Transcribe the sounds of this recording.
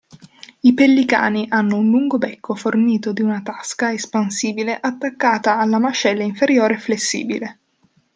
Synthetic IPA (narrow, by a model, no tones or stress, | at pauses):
ipelːika̰ːniʔanːounluŋɡobɛkʰːoforniːt̪od̪iunat̪askaespansiːbileʔat̪ːakːaːt̪aːlːamat͡ʃɛlːaiɱfeɾjoːɾeflesːḭːbile